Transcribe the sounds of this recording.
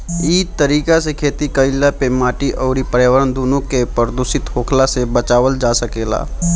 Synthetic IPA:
iːd̚t̪əɾiːkasekʰeːt̪ikəɪlːapemaːʈiʔɔːɾipəɾjaːʋəɾənd̪oːnõkepəɾd̪ʊsɪt̪ɦoːkʰlasebət͡ʃaːʋəld͡ʒaːsəkeːla̰ː

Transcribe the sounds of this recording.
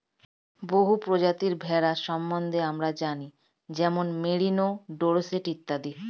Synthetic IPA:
boɦupɾod͡ʑat̪iɾbʱɛɾaʃɔmbond̪ʱeamɾad͡ʑani | d͡ʑɛmonmeɽinoɖoɾoseʈit̪ːad̪i

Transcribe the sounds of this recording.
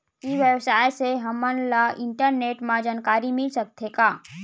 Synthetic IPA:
kiʋjəwsaːjseɦɐmənlaɪ̃ɳʈəɾneːʈmãd͡ʒaːnkaːɾimɪlsɐk̚t̪ʰeːkaː

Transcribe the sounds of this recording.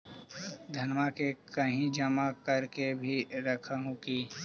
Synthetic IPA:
d̪ʱɐnmakekɐɦĩd͡ʒɐmakɐɾkebʱiɾɐkʰaɦũkiː

